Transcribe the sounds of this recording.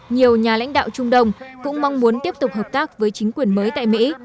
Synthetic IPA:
ɲi˨˩əwɲaː˨˩la̰˧˥jŋ̟ɗa̰ː˧˨wt͡ɕʊ˧ŋ͡mɗə˧wŋ͡mkʊ̰˧˥ŋ͡mmɔ˧wŋ͡mmu˨˦ənt̪i˥əp̚t̪ʊ˨˩k͡p̚ɦəː˨˩p̚t̪aː˦˥k̚vəː˨˦jt͡ɕï˨˦ŋ̟kwi˨˩ənməː˨˦jt̪a̰ː˧˨jmḭ˧˥

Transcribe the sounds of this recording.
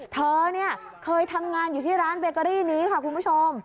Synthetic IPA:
t̪ʰɤː˧ni˥˩ɐ | kʰɤː˧jt̪ʰa˧mŋaː˧njuː˨˩t̪ʰiː˥˩ɾaː˦˥nbeː˧kɔ˧ɾiː˥˩niː˦˥kʰa˥˩kʰu˧npʰu˦˥˩t͡ɕʰo˧m

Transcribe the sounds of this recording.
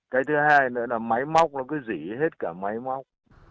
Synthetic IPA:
ka˨˧˦jt̪ʰɨ˨˦ɦaː˧jnɨ̰˧˥laː˨˩ma˨˦jma˦˥wk͡p̚laː˨˩kɨː˨˦jzi˧˩he˦˥t̚kaː˧˩ma˨˦jma˦˥wk͡p̚

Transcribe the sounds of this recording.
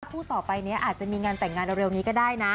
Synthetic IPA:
pʰuː˥˩t̪ɔː˨˩pa˧jni˦˥ɐʔaː˨˩t̪̚t͡ɕa˨˩miː˧ŋaː˧nt̪ɛ˨˩ŋːaː˧nɾe˧wniː˦˥kɔː˥˩daː˥˩jna˦˥

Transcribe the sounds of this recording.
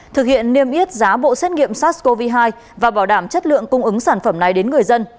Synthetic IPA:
t̪ʰɨ˨˩k̚hḭ˧˨ənːi˧əmʔi˦˥ət̚zaː˨˦ɓo̰˧˨sɛ˦˥t̚ŋḭ˧˨əmsa˦˥t̚ko˧vi˧ɦaː˧j | vaː˨˩ɓaː˧˩wɗaː˧˩mt͡ɕə˦˥t̚lɨ̰˧˨əŋkʊ˧ŋ͡mʔɨ˨˦ŋsaː˧˩nfə˧˩mna˨˩jɗe˨˦nŋɨ˨˩əjzə˧n

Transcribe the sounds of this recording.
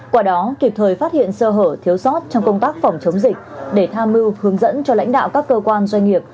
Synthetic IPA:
kwaː˧˩ɗɔ˨˦ki˨˩p̚t̪ʰəː˨˩jfaː˦˥t̚hḭ˧˨ənsəː˧ɦəː˧˩t̪ʰi˨˦əwsɔ˦˥t̚t͡ɕɔ˧wŋ͡mkə˧wŋ͡mt̪aː˦˥k̚fɔ˧˩wŋ͡mt͡ɕə˨˦wŋ͡mzï˨˩k̟̚ɗe˧˩t̪ʰaː˧mːɨ˧whɨ˨˦əŋzə̰˧˥nt͡ɕɔ˧la̰˧˥ŋ̟ɗa̰ː˧˨wkaː˦˥kːəː˧kwaː˧nzwa˧ŋ̟ŋi˨˩əp̚

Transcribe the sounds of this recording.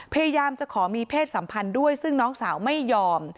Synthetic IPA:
pʰa˧ja˧jaː˧mt͡ɕa˨˩kʰɔː˩˦miː˧pʰeː˥˩t̪̚sa˩˦mpʰa˧ndu˥˩əjsɯ˥˩ŋnɔː˦˥ŋsaː˩˦wma˥˩jːɔː˧m

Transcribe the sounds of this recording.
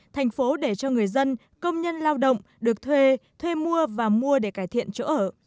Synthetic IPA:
t̪ʰɛ˨˩jŋ̟fo˨˦ɗe˧˩t͡ɕɔ˧ŋɨ˨˩əjzə˧n | kə˧wŋ͡mɲə˧nlaː˧wɗə̰˧˨wŋ͡mɗɨ˨˩ək̚t̪ʰwe˧t̪ʰwe˧mu˧əvaː˨˩mu˧əɗe˧˩kaː˧˩jt̪ʰḭ˧˨ənt͡ɕo̰˧˥ʔəː˧˩

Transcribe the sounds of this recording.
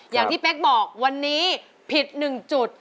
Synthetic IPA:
jaː˨˩ŋʰiː˥˩pe˦˥k̚bɔː˨˩k̚wa˧nːiː˦˥ | pʰi˨˩t̪̚nɯ˨˩ŋt͡ɕu˨˩t̪̚

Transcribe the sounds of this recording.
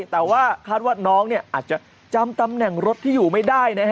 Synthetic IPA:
t̪ɛː˨˩waː˥˩kʰaː˥˩t̪̚waː˥˩nɔː˦˥ŋni˥˩ɐʔaː˨˩t̪̚t͡ɕa˨˩ | t͡ɕa˧mt̪a˧mnɛ˨˩ŋɾo˦˥t̪ʰːiː˥˩juː˨˩ma˥˩jdaː˥˩jna˦˥kʰ

